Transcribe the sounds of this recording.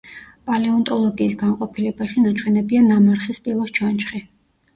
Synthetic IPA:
pʼalɛɔnt̪ʼɔlˠɔɡiːsɡaɴqʼɔpʰilɛbaʃinat͡ʃʰwɛnɛbianːamaɾχispʼilˠɔst͡ʃʰant͡ʃʰχi

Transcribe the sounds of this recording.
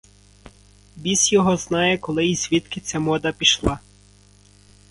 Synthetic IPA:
bʲisʲjɔɦɔznɑjɛkɔlˠɪizʲʋʲit̪kɪt͡sʲɐmɔd̪ɐpʲiʃlˠɑ

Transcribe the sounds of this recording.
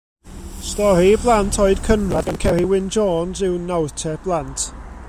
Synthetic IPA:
stɔɾiblˠantʰɔɨd̥kʰənradankʰɛɾiwɪnd͡ʒoːnzɪwnawtʰɛb̥lˠantʰ

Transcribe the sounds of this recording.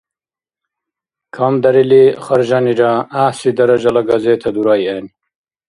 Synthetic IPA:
kʰɐmd̪ɐɾiliχɐɾʒɑniɾaːaːsid̪ɐɾɐʒɐlɐɡɐzeːt̪ʰɐd̪uɾɑːjani

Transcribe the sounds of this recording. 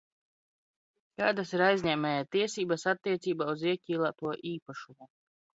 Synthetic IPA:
kaːd̪asiɾajzʲɲɛːmʲɛjat̪iɛsiːbasat̪ːiɛt̪siːbaːuziɛkʲiːlˠat̪uɔʔiːpaʃumu

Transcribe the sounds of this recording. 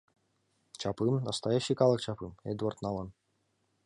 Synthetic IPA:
t͡ʃapɨmnɐst̪ajaɕːikɑlˠəkt͡ɕapɨmɛ̰d̪uart̪nɑlˠɤn

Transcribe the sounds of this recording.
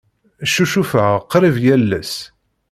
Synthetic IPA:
ʃuʃufəʁqːɾivjælːæ̰s

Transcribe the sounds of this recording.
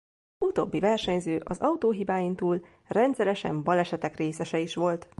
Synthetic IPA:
ut̪oːbːivɛrʃɛɲzøːʔɒzɒut̪oːɦibaːjint̪uːl | rɛnt̪sɛɾɛʃɛ̰mbɒlɛʃɛt̪ɛkreːsɛʃɛiʃʋo̞lt̪

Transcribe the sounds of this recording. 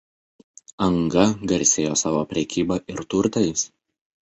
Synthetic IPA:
ɐŋɡɐɡɐɾʲsʲeːjoːsɑːʋoːpʲɾʲɛkʲiːbɐʔɪɾt̪ʊɾt̪ɐɪs

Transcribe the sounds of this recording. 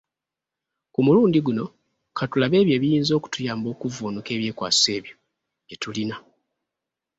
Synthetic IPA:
kumuluːndiɡuno̞ | kʰatulaβe̞ːβje̞ːβijiːnzo̞ːku̥tujaːmbo̞ːkuvoːnuke̞ːβje̞ːkwa̰ːsi̥se̞ːβjo̞ | ɟetulina

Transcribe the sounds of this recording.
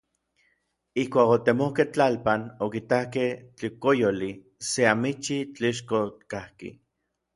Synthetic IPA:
ihkʷaːkot̪emohkeht͡ɬalpanokit̪akeht͡ɬikojoli | seamit͡ʃit͡ɬiʃ̬kot̪kahkḭ

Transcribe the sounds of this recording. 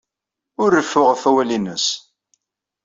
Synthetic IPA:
ʊɾːəfːʊʁfæwælinəs

